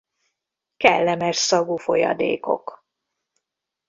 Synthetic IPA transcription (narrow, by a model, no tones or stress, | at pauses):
kɛ̰lːɛmɛʃsɒɡufo̞jɒ̰d̪ḛːko̞̰k